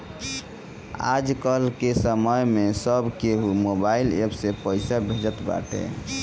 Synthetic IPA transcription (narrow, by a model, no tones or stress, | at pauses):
a̰d͡ʒkəlkesəməjmesəbkeɦumobailḛbsepəɪsabʱed͡ʒət̪ba̰ʈḛ